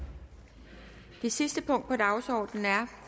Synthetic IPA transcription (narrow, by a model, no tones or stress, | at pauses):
d̥e̝sisd̥əpʰɔ̽ŋ̰d̥̚pʰɒ̽d̥ɑ̈ʊsɒ̰ːd̥n̩æɐ